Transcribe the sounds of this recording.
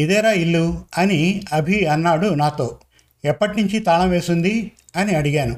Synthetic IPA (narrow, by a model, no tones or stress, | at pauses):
id̪ɛːɾaːilːuɐniɐbʱiɐnːaːɽunaːt̪o̞ː | ɛpːɐʈniɲt͡ʃit̪aːɭɐmʋeːsund̪i | ɐniɐɽiɡaːnu